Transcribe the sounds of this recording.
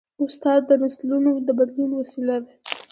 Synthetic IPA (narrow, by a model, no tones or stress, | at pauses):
ʊst̪ɑd̪ːənaslunod̪əbad̪lunwasilad̪a